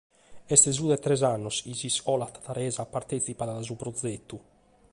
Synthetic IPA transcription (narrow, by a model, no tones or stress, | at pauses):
ɛst̪ɛzuðɛt̪ːɾɛzanːɔsizisɔlat̪ḁt̪aɾɛːzapaɾt̪ɛt̪sipaðaðazupɾɔd̪zet̪ːu